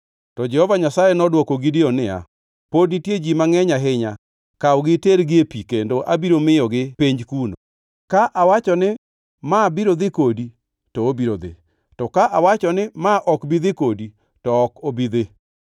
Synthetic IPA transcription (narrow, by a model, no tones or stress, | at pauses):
tɔd͡ʒɛhɔvaɲasajɛnɔdwɔkoɡɪdɪɔnɪa̰ | podnitjed͡ʒimaŋɛɲaɦɪɲa | kawɡɪteɾɡɪepikendoʔabiɾomɪjɔɡɪpeɲd͡ʒkuno | kaʔawat͡ʃɔnɪ | mabiɾod̪ɪkodi | tɔbiɾod̪ɪ̰ | tɔkaʔawat͡ʃɔnɪmaʔɔkbid̪ɪkodi | tɔːkobid̪e